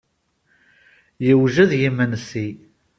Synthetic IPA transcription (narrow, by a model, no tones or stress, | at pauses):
jəwʒæðjimənsi